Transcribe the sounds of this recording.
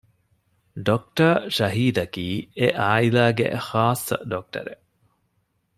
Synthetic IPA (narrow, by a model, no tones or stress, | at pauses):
ɖok̚ʈɐʃɐɦiːd̪ɐkiːeʔaːilaːɡḛxaːsːɐ̰ɖok̚ʈɐ̰ɾḛ